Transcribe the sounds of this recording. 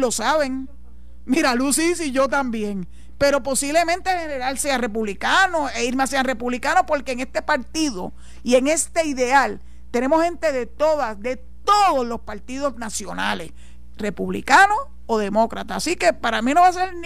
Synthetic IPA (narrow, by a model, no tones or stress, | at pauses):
lo̞saβe̞ŋ | miɾalusis̬iʝo̞t̪̬ambje̞ŋ | pe̞ɾo̞po̞siβle̞mẽ̞nt̪ehe̞ne̞ɾalseare̞puβlikano̞eiɾmeaseaŋre̞puβlikanopo̞ɾkeːŋe̞st̪e̞paɾt̪iðo̞̰ | ie̞ŋe̞st̪eiðe̞al | t̪e̞nẽ̞mohẽ̞nt̪e̞ðe̞t̪o̞ðasd̪e | t̪oðo̞slo̞spaɾt̪iðo̞snasjo̞na̰le̞̰s | re̞puβlḭkano̞ | oðe̞mo̞kɾat̪aːsike̞paɾamino̞βas̬eɾ